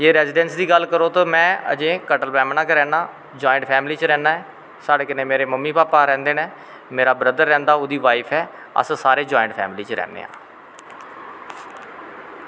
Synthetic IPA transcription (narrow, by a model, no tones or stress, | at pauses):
d͡ʒeːɾɛːzɪɖɛnsd̪iːɡəlkəɾoːt̪õːmɛ̃ːə̰d͡ʒẽːkəʈəlpɛːmnãːkeɾɛːnaː | d͡ʒoːɪ̃ɳʈpʰɛːmliːt͡ʃɾɛ̃ːnaːɛː | saːɽeːkɪnẽːmeːɾeːməmːiːpaːpaːɾɛ̃ːnd̪eːneː | meːɾaːbɾəd̪əɾːɛ̃ːnd̪aːoːd̪iːʋaːipʰɛː | ə̰ssaːɾeːd͡ʒaːɪɳʈpʰɛ̰ːmliːt͡ʃɾɛ̰ːnḛːa̰ː